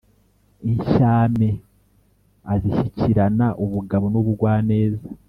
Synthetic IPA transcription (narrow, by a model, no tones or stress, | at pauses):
iɲʃaːme | aziʃiciɾanaʔuβuɡaβonuβuɡwaːne̞ːza